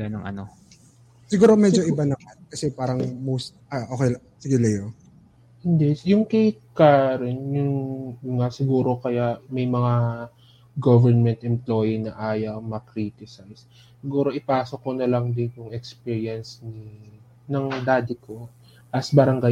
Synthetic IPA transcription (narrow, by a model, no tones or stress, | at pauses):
lanɐŋʔɐ̰no | sɪɡuːɾomɛd͡ʒd͡ʒoʔɪbanɐmankɐsɛpaːɾɐŋmowst̪̚ɐʔokej | sɪɡɛlɐjo | hɪnd̪ɛjʊŋkɛjkaɾɛnjʊŋŋasɪɡuːɾo̞kɐjaʔmɐjmɐŋa | ɡovɛɹnmɛnt̪ʔɛmplo̞ːjinɐʔaːjɐmɐkɾit̪ɪsɐjsː | ɪɡuːɾo̞ʔɪpaːsok̚ːonɐlɐŋd̪ɪnjʊŋɛkspiːɹjɐnsni | nɐŋd̪aːd̪ɪkʰo | ʔɐsbɐɾɐŋɡaj